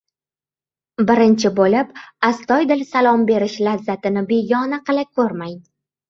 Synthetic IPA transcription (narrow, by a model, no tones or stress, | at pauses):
bɪɾɪnt͡ʃʰɪbolɪpast̪ɒjd̪ɪlsalˠɒmbe̞ɾɪʃlazːat̪ɪnɪbeɡʲɒnaqɨlˠakʰɵɾmaj̪